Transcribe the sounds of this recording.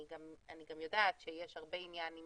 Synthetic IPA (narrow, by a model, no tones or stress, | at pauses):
iɡamaniɡamjo̞daːtʃejeʃhaʁbe̞injani